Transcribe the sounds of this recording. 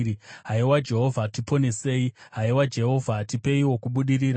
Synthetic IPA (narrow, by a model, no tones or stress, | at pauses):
ɦaiwad͡ʒe̞ɦo̞vʱatipo̞ne̞se̞ːiɦaiwad͡ʒe̞ɦo̞vʱatipe̞iwo̞kuɓuɗiɾiːɾa